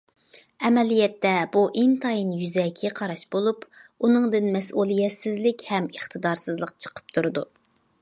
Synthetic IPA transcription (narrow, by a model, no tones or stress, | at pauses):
ɛmɛlijɛt̪ːɛbuʔɪnt̪ʰɑjinjyzɛkʲʰːɛqʰɑɾɑʃbolˠupunɨŋd̪ɨnmɛsʔulˠijɛsɪzlɪkʲhɛməχt̪ʰɨd̪ɑɾsɨzlˠəq̚t͡ʃʰə̥qʰə̥p̚t̪ʰuɾɨd̪u